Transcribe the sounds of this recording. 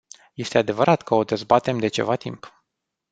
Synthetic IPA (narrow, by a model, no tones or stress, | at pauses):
je̞st̪e̞ad̪e̞vəɾʔat̪kəo̞d̪e̞zbat̪e̞md̪e̞t͡ʃe̞̰vat̪imp